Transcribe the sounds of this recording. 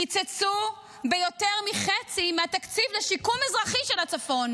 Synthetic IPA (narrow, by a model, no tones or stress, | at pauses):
nit͡set͡su | bejo̞teʁmiχet͡simeat̪akt͡sivleʃikumezʁaχiʃelat͡safo̞n